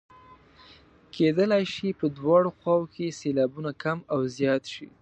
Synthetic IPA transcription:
kʰed̪əlajʃipəd̪wɑɽoxwɑwokeselɑbunakamawzjɑt̪ʃḭ

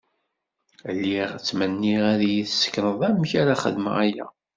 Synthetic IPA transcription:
lːiʁt͡sːmənːiʁæðjiθsə̥kːnəðˤæmçaɾaχə̰ðmə̰ʁæjæ̰

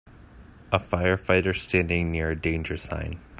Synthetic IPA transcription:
ʔəfaɪə˞faɪɾə˞stæ̃ndɪ̃ŋnɪɹɨdẽɪ̃nd͡ʒə˞sã̰ɪ̃n

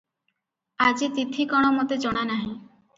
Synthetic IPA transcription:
ad͡ʒit̪id̪ʱʰikɔɽ̃ɔmot̪ed͡ʒɔɽ̃anaɦĩ

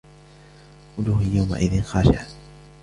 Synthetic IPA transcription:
ʔʊdʊhjawma̰ʔɪðɪnxɑːʃa̰ʔ

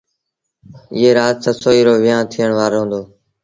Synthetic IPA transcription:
ɪ̰ːɦeːɾaːt̪səsoːiːɾoːʋɪjãːnt̪ʰiːəɳʋaːɾoːɦõːnd̪oː

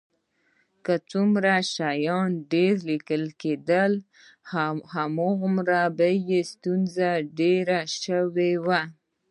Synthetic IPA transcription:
kət͡sumɾaʃajɑnɖeɾlikəlked̪əl | hamoɣmɾabəjest̪unzaɖeɾaʃəwewa

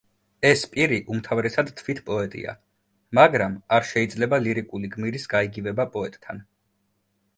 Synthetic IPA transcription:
ɛspʼiɾiʔumt̪ʰavɾɛsad̪t̪ʰvit̪ʰpʼɔɛt̪ʼḭa̰ | maɡɾamaɾʃɛid̪zlɛbaliɾikʼuliɡmiɾisɡaiɡivɛbapʼɔɛt̪ʼt̪ʰan

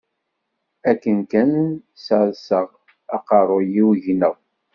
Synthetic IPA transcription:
ækːənkænsəɾsəʁ | ɑqɑɾˤojiwʝnəw

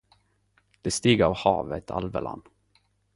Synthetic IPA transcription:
d̪̥ɛst̪iːɡɾavhɑːvət̪ʰa̰lvəla̰n

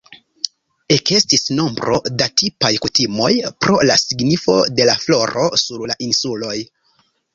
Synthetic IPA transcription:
e̞ke̞stisno̞mbɾʔo̞̰datipajkutimo̞jpɾo̞la̰siɡnifo̞de̞laflo̞ɾo̞̰suɾlaʔinsulo̞j

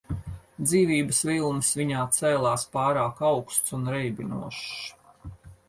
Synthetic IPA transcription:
d̪ziːvʲiːbəsvilˠnɨsviɲaːt̪sɛːlˠaːspɑːɾaːkɑwkst̪sunɾɛjbʲinṵɔʃ

